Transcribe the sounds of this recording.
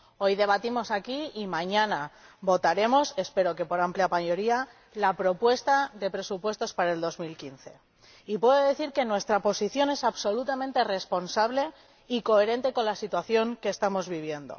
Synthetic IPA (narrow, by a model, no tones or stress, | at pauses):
o̞jðe̞β̞at̪imo̞sakiimãɲãnaβo̞t̪aɾe̞mo̞se̞spe̞ɾo̞ke̞po̞ɾampljapajo̞ɾia | lapɾo̞pwe̞st̪aðe̞pɾe̞supwe̞st̪o̞spaɾaeld̪o̞zmilkinθe̞ | ipwe̞ðoðe̞θiɾke̞nwe̞st̪ɾapo̞siθjo̞ne̞saβso̞lut̪amẽnt̪ere̞spo̞nsaβle̞ | iko̞e̞ɾe̞nt̪e̞ko̞nlasit̪waθjo̞ŋke̞ːst̪amo̞zβiβ̞je̞nd̪o̞̰